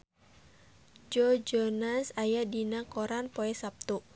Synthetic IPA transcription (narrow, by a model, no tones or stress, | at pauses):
d͡ʒɔd͡ʒɔnasajadinakɔɾanpoɛsap̚t̪u